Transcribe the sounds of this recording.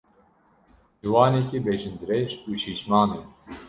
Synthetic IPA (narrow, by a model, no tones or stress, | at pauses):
wɑːnekibeʒɨnd̪ɨɾɛʒut͡ʃʰiːt͡ʃmɑːneː